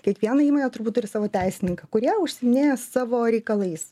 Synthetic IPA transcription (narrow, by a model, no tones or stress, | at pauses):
kʲiɛkʋʲiɛnɐiːmoːnʲeːt̪ʊɾbut̪ːʊɾʲɪsɑːʋoːt̪ʲæɪsʲɪnʲɪŋkɐkʊɾʲiɛʊʃʲsʲɪmʲɪnʲeːjɛsɑːʋoːɾʲɛɪkɐlˠɐɪs